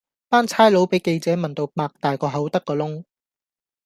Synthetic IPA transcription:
paː˥nt͡sʰaː˥jlo˨˥wpe˨˥jke˧jt͡sɛː˨˥mɐ˨˩nt̪o˧wpaː˧k̚t̪aː˨jkɔː˧ɦɐ˨˥wt̪ɐ˥kːɔː˧lʊ˥ŋ

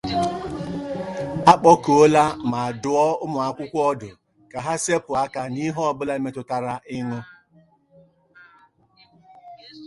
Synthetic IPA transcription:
a˦k͡pɔ˦ko˦la˦ma˨a˨dʊ˨ɔ˦ʊ˦mʊ˨a˨kʷʊ˦kʷɔ˦dʊ˨ | ka˨ɦa˦se˦pʊ˨a˦ka˨ni˦ɦɔ˦˨bʊ˦la˦me˦tʊ˨ta˦ɾa˦ʔɪ˦ŋʊ˦

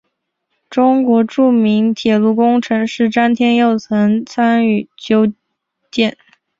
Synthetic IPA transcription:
ʈ͡ʂʊ˥ŋkwɔ˧˥ʈ͡ʂu˥˩mi˧˥ŋt̪ʰjɛ˨˩lu˥˩kʊ˥ŋʈ͡ʂʰɤ˧˥ŋʂɻ̩˥˩ʈ͡ʂa˥nt̪ʰjɛ˥njo˥˩ʊt͡sʰɤ˧˥ŋt͡sʰa˥ny˥˩t͡ɕjo˥ʊ | t͡ɕjɛ˥˩n

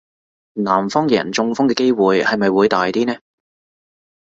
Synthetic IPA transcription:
naː˨˩mfɔː˥ŋjɛː˨ɐ˨˩nt͡sʊ˧ŋfʊ˥ŋkɛː˧ke˥jwuː˨jhɐ˨jmɐ˨jwuː˨˧˥jt̪aː˨jt̪iː˥nɛː˥

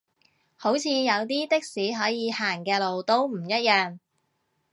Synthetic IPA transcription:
ho˨˥wt͡sʰiː˨˧jɐ˨˧wt̪iː˥t̪ɪ˥k̚siː˨˥ɦɔː˨˥jiː˨˧haː˨˩ŋkɛː˧lo˨wt̪o˥wm̩˨˩jɐ˥t̚jœː˨˧ŋ

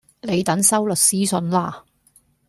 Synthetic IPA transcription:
le˨˧jt̪ɐ˨˥ŋsɐ˥wlɵ˨t̚siː˥sɵ˨˧nlaː˥˩

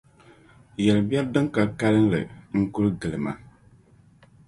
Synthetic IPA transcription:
jɛ˨lɨ˨ba˦dɨ˦ŋka˨ka˦lɨ˦n˦lɨ˨ŋ̩˦kʊ˦ɾɡɨ˨lɨ˨ma̰˨

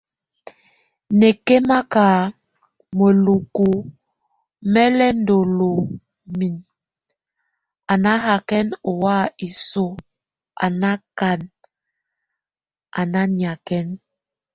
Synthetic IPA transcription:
ne˨ke˦ma˦kaː˨ | mo˨lu˨ku˨ | mɛ˦lɛ˦n˦do˨lo˨ | mi˨n | a˨na˦ɦa˨kɛ˦no˨wa˦i˨so˦ | a̰˨na˦ka˨n | a˨na˦ɲ˨a˨kɛ˦n

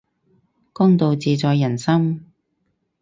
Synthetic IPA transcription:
kɔː˥ŋt̪o˨wt͡siː˨t͡sɔː˨˧jːɐ˨˩nsɐ˥m

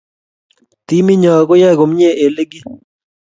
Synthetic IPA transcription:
t̪i˦mi˦ɲɔ˨kʊ˦jɛ˦˨ɡo˨m˦ɲe˦˨ʔe˨le˦ɡɪ˦

